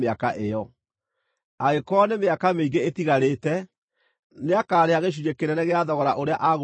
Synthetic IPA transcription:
eakaʔejɔ | aɣekɔnemeakameiɡeetiɣaɾeːtɛ | neakaːɾeaɣeɕ̬uɾekeɾɛnɛɣeaðɔɣɔɾaʔoɾeaʔaɣ

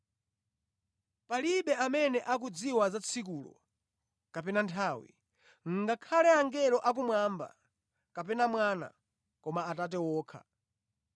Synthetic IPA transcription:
paliɓɛamɛnɛʔak̬ud͡ziwazat͡sʰik̬ulɔ̰ | kapɛnantʰawḭ | ŋ̩ɡakʰalɛaŋɡɛɾɔʔak̬umwamba̰ | kap̬ɛnamwaːna̰ | kɔmaːtat̬ɛwɔːkʰa̰

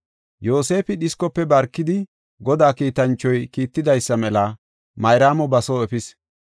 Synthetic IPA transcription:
jo̞ːse̞ːfɪɗɪskɔpːɛbɐɾkːɪd̪ɪ | ɡɔd̪aːkiːt̪ɐnt͡ʃːɔjkiːt̪ːɪd̪ɐjsːɐmɛlɐ | mɐjɾaːmɔbɐsoːɛpɪs

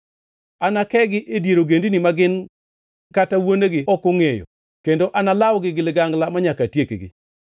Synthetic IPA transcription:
anakɛɡɪʔedjeɾoɡendinimaɡɪn | katawoneɡɪɔkoŋejo̰ | kendoʔanalawɡɪɡɪlɪɡaŋɡlamaɲakatjekḛɡɪ̰

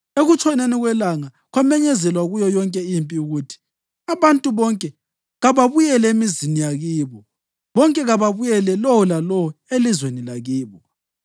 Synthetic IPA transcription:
eɣut͡ʃʰʼɔneniɣwɛlaŋa | ɣwamɛɲɛzɛlwaɣujɔjɔŋkʼɛimpʼiuɣutʰi̥ | aβantʼuβɔŋkʼɛ | ɣaβaβujɛlɛemizinijaɣiːβɔ | βɔŋkʼɛɣaβaβujɛlɛlɔwɔlalɔɔelizwenilaɣiːβɔ

